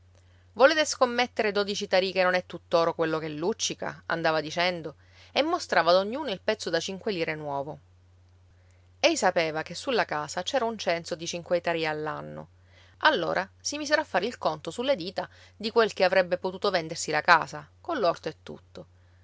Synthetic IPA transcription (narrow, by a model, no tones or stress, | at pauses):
voleːt̪eskomːet̪ːeɾed̪oːd̪it͡ʃit̪aɾikenːonɛt̪ːut̪ːoːɾokwelːokɛlːut͡ʃːika̰a̰nd̪aːvad̪it͡ʃɛnd̪o | emːost̪ɾaːvaːd̪oɲːuːnoilpɛt̪sːod̪at͡ʃiŋkweliːɾenwɔːvo | ɛjsapeːvakesːulːakaːsat͡ʃɛːɾaunt͡ʃɛnsod̪it͡ʃiŋkwet̪aɾiaːlːanːo̰ | ʔalːo̰ːɾʔasimiːseɾafːaːɾeilkont̪osulːed̪iːt̪ad̪ikwelkeavɾɛbːepot̪uːt̪ovɛnd̪ersilakaːsakolːɔrt̪oet̪ːṵt̪ːo